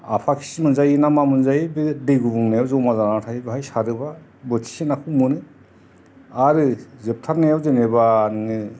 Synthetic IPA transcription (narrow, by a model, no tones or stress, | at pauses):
a̰pʰakʰi̥simɯnzajinamamɯnzajbedejɡubuŋnajawzɯwmazanatʰajbahajsaɾɯba | bɯtʰi̥senakʰɯwmɯnɯ | aɾɯzɯp̚tʰaɾnajawzenebanɯŋɯ